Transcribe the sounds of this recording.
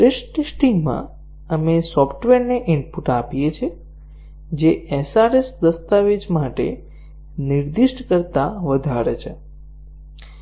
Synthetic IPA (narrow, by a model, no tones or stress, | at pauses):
ɾeʃʈisʈiŋmã̰ | əmesɔfʰʈʋeɾneʔɪɳpuʈapijet͡ʃʰe | d͡ʒeesaɾesd̪əst̪aʋed͡ʒmaʈḛ | niɾd̪iʃʈkəɾt̪aʋəd̪ʱaɾet͡ʃʰe